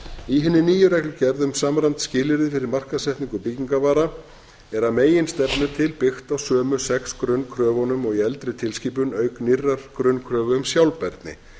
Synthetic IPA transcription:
iɦɪnːɪniːjʏɾɛjklʏcɛɾðʏmsaːmɾant̪scɪːlɪɾɪfɪɾɪɾmar̥kasɛht̪niŋkʏpiciŋkavaːɾa | ɛɾaðmeːjɪnst̪ɛpnʏt̪ʰɪlpɪxt̪awsœːmʏsɛkskɾʏnkʰɾœːvɔnʏmɔɣiɛlt̪ɾɪt̪ʰɪlsciːpʏnœːɥknirːaɾ̥kɾʏnkʰɾœːvʏʏmsjawlpɛɾt̪nɪ̰

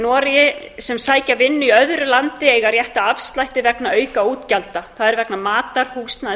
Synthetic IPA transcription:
nɔːɾɪjɪsɛmsaːjcavɪnːʏiœðɾʏlant̪ɪɛjɣarjɛht̪aafst̪lajht̪ɪvɛknaœːɥkauːt̪calt̪aθaðɛɾvɛknamaːt̪aɾ̥hust̪na

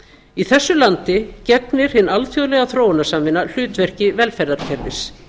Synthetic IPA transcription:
iθɛsːʏlant̪ɪcɛt̪nɪɾ̥hɪnːalfjoðlɛɣaθɾoːwnasamvɪnːal̥ʏːt̪vɛr̥cɪvɛlfɛɾðaɾ̥cʰɛɾvɪs

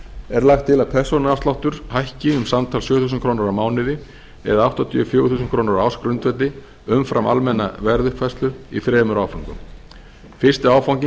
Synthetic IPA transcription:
ɛɾlaxt̪ʰːɪlaðpʰɛr̥sownaafst̪awht̪ʏɾ̥hajhcɪʏmsamt̪ʰaːlsjœːθus̬ʏnkʰɾownaɾamaːwnɪðɪ | ɛ̰ðaawht̪ɔt̪ʰiːfjɔːwvʏθuːsʏnkʰɾoːwnaɾawskɾʏnt̪vɛt̪ɪ | ʏmfɾamʔa̰lmɛnːa̰vɛɾðʏhpfast̪lʏɾḭfɾɛːmʏɾaːwfawŋkʏ̰m | fɪr̥st̪ɪaːwfawŋcɪ

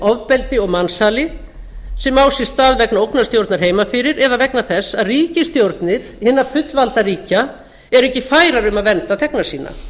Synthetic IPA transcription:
ɔvpɛlt̪ɪɔɣmansaːlɪ | sɛmaːwsjɛst̪aːðvɛknaowknast̪jowɾt̪naɾ̥ɦeːjmafɪɾɪɾɛðavɛknaθɛsːaðriːcɪst̪jowɾt̪nɪð̥hɪnːafʏt̪lvalt̪aɾiːca | ɛɾɛhcɪfaːjɾaɾʏmaðvɛnt̪at̪ʰɛknasiːna̰

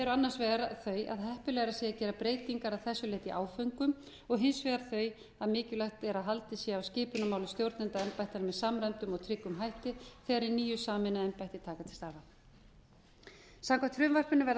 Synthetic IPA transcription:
ɛɾʏanːaɾ̥sveːɣaɾaθœːɥʔa̰ðɦɛhpʏlɛːɣɾaseːacɛːɾapɾeːjt̪iŋkaɾaðθɛsːʏlɛːt̪iʔaːwfœɥŋkʏm | ɔɣɦɪnsvɛːɣaɾ̥θœːɥj | aðmɪːcʏlaxt̪ɛɾaɦalt̪ɪsiawscɪːpʏnamawlʏmst̪jowɾt̪nɪnt̪aɛmpajt̪anmɛðsaːmɾɛnt̪ʏmɔɣt̪ʰɾɪkːʏmɦajht̪ɪθɛːɣaɾiniːjʏsaːmɪnaɛmpajht̪ɪt̪ʰaːkat̪ʰɪ̥lst̪aɾða | samkʰḁt̪fɾʏːmvar̥pɪnʏvɛɾð

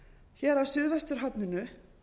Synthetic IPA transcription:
çɛːɾawsʏðvɛst̪ʏɾ̥ɦat̪nɪnʏ

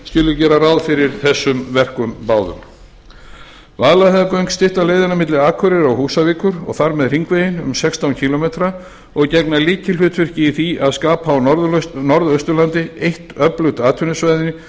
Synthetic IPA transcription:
scɪːlʏɾcɛːɾarawðfɪɾɪɾθɛsːʏmvɛr̥kʏmpaːwðʏ̰m | vaːðlahɛðkœɥŋkst̪ɪht̪aleːjðɪnamɪt̪lɪaːkʰœɾɪɾawhuːsaviːkʏɾɔ̰ɣθaɾmɛðr̥iŋkveːjɪnʏ̰msɛkst̪awncʰilɔmet̪ɾa | ɔɣcɛknaliːcɪlɦʏt̪fɪr̥cɪːθiaðskaːpaːwnɔɾðœɥst̪ʏlant̪ɪejht̪œplʏwt̪aːt̪ʰʏnʏsvajðɪnɪ

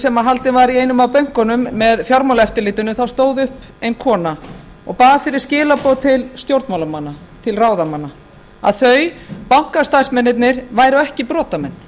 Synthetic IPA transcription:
sɛmaɦalt̪ɪnvaɾiejnʏmawpœɥŋ̥kɔnʏmːɛðfjɔɾmawlɛft̪ʏɾliːt̪ʏnʏθawst̪oːwðʏhp | ejnkʰɔːna | ɔɣpaːɣafɪɾɪɾ̥scɪːlapowt̪ʰɪlst̪jowɾt̪mawlamanːat̪ʰɪlraːwðamanːa | a̰ðθœɥpawŋ̥kast̪ajsmɛnːɪt̪nɪɾvaːjɾʏɛhcɪpɾɔːt̪amɛnː

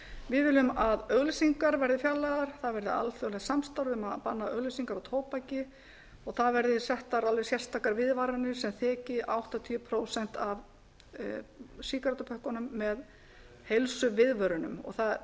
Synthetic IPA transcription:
vɪðvɪːlʏmaðœɣlsiŋkaɾvɛɾðɪfjalːaðaɾ̥θaðvɛɾðɪa̰lθœɣlɛxsamst̪awɾʏmaðpanːaœɣlʏsiŋkaɾat̪ʰoːwpacɪ | ɔɣθaðvɛɾðɪsɛht̪aɾalvɛsjɛr̥st̪aːkaɾvɪðvaɾanɪ̥sɛmθɛːcɪʔawht̪at̪ʰiʏpʰɾoːwsɛn̥t̪av | siːkaɾat̪apʰœhkanʏmːɛð | helsʏvɪðvœɾʏnʏ̰mɔ̰ɣθað

